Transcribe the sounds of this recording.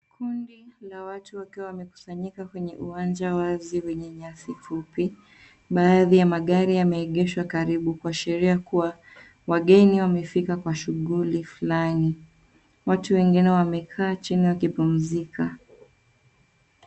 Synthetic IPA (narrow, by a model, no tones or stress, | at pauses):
kʰundilawatuwakiwawamɛku̥saɲikakwɛɲɛʔuwand͡ʒawaziwɛɲɛɲasifupi | ɓaːðijamaɠaɾijamɛːɠɛʃwakaɾiɓukwaʃɛɾiakuwa | waɠɛniwamɛfikakwaʃuɠulifulani | watuwɛŋɡinɛwamɛkʰaːt͡ʃiniwakipum̩zika